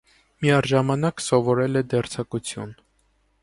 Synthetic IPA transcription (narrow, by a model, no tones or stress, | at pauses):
miɑɾʒɑmɑnɑksɔvɔɾɛlɛd̪ɛɾt͡sʰɑkut͡sʰjṵn